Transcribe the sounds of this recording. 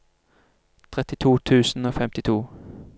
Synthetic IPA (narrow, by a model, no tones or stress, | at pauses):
t̪ʰʁɛt̪ɪt̪ʰuːt̪ʰʉːsn̩oːfɛmt̪ɪt̪ʰuː